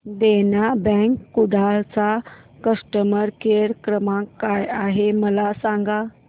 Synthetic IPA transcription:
d̪enjabɛ̃kːud̪alt͡sa | kəsʂʈəməɾkeɽkɾəmãkːajaɦeməlasãŋɡa

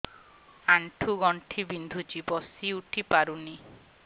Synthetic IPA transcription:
aɳʈʰuɡɔɳʈʰibind̪ʱut͡ʃibɔsiuʈʰipaɾuni

